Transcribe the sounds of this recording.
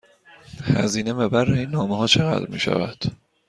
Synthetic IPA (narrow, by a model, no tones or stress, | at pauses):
hæ̰ziːnebebærːeinːɒːmeɦɒːt͡ʃʰeɣæ̰d̪ɾmḭːʃæ̰væd̪̥